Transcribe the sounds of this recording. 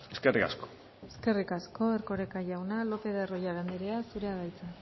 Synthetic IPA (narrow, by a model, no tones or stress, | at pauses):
eskerika̰sko̥ | eske̞rikasko̞erko̞ɾekaʝawnalo̞pe̞ðerojaɣend̪eɾeasuɾe̞aðajt͡sa